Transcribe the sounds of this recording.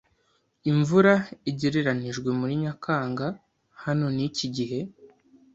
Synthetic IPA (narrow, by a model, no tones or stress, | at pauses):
iɱvuɾaiɟeɾeɾaniʒɡwe̞muɾiɲakʰaːŋɡa | hano̞niciɟiɦe̞